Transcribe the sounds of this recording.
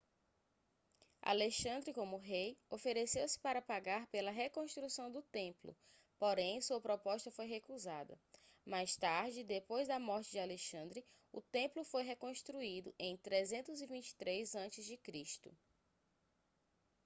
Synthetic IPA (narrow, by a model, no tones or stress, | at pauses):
a̰leʃɐ̃nd̪ɾɪkõmʊɦejofeɾesewsɪ̥paɾɐpaɡaɾpelɐɦekõʃt̪ɾusɐ̃w̃d̪ʊt̪ẽplʊ̰ | poɾẽj̃suɐpɾɔpɔʃt̪ɐfojɦekuzad̪ɐ̰majst̪aɾd͡ʒɪd̪epojzd̪ɐmɔɾt͡ʃɪd͡ʒɪaleʃɐ̃nd̪ɾɪ | ʊt̪ẽmplʊfojɦekõʃt̪ɾuid̪ʊʔẽj̃t̪ɾezẽnt̪ʊzivĩt͡ʃɪ̥t̪ɾejzɐ̃t͡ʃɪzd͡ʒɪkɾiʃt̪ʊ̰